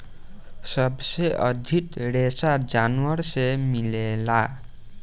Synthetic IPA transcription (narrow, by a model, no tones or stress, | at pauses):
sʌbseʔʌd̪ʱit̪ɾesad͡zanwʌrsemilela